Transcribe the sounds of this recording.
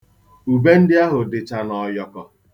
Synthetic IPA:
u˨be˦n̩˦dɪ˦a˦ɦʊ˨dɪ˨t͡ʃa˨nɔ˨jɔ˨kɔ˨

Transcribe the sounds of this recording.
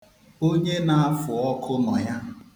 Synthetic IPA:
o˦ɲe˦na˨a˦fʊ˨ɔ˦kʰʊ˦nɔ˨ja˦

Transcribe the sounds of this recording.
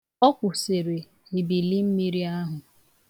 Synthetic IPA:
ɔ˦kʷʊ˨se˨ɾe˨ | mi˨bi˨li˦m̩˦mi˦ɾi˦a˦ɦʊ˨

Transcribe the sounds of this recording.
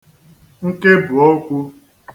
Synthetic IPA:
ŋ̩˦ke˦bʊ˨o˦kʷu˦

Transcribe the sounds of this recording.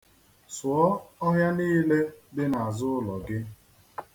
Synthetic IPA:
swɔ˦ɔ˦ɦja˦niː˦le˦bɪ˦na˨a˨zʊ˦ʊ˦lɔ˨ɡɪ˦

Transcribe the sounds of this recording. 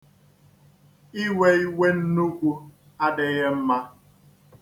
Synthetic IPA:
i˦we˦i˦we˦n̩˦nu˦kʷu˦ | a˦dɪ˨ɣe˦m̩˦ma˦

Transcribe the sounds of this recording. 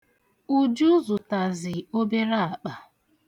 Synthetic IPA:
u˨d͡ʒu˦zʊ˨ta˨zɪ˨o˦be˦ɾa˦a˨k͡pa˨

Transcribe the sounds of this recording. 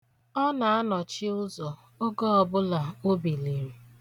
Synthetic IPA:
ɔ˦na˨a˦nɔ˨t͡ʃɪ˦ʊ˦zɔ˨ | o˦ɡɔ˦ɔ˨bʊ˦la˨o˦bi˨li˨m̩˦

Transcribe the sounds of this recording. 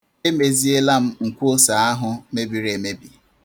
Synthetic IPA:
e˦me˨zi˦e˦la˦m̩˦ŋ̩˨kʷo˦sa˨a˦ɦʊ˦me˦bi˨ɾe˨me˦bi˨

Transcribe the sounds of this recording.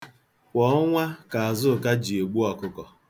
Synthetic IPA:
kʷɔ˦ŋʷa˦ka˨a˨zʊ˦˨ka˦d͡ʒi˨e˨ɡ͡bu˦ɔ˨kʊ˦kɔ˨

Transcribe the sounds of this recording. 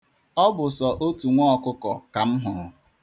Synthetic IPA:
ɔ˦bʊ˨sɔ˨ʔo˦tu˨ŋʷɔ˦ɔ˨kʊ˦kɔ˨ka˨m̩˦ɦʊ˨

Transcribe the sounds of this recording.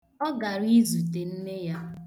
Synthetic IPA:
ɔ˦ɡa˨ɾi˦zu˨te˨n̩˦ne˦ja˦

